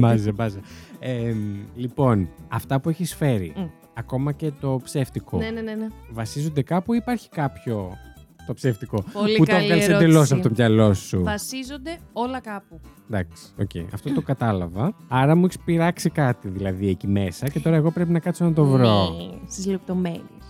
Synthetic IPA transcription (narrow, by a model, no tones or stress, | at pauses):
mɐzɐbɐzɐemlipo̞nɐft̪ɐpueçisfe̞ɾḭ | ɐko̞mɐce̞t̪o̞pseft̪ikonnenvɐsizo̞nd̪e̞kɐpuipɐɾçi̥kɐpço̞t̪o̞pseft̪iko̞olut̪eɐlsed̪elo̞sɐpoot̪omʝɐlo̞suvɐsizond̪e̞o̞lɐkɐpu | d̪ɐksi̥o̞̰cḛiɐ̰ft̪o̞t̪o̞kɐt̪ɐlɐvɐɐɾɐmueçispiɾɐksikɐt̪iðilɐðiecime̞sɐce̞t̪o̞ɾɐeɣo̞pɾe̞pinɐkɐt̪soenɐt̪o̞vɾost̪izlep̚t̪omenis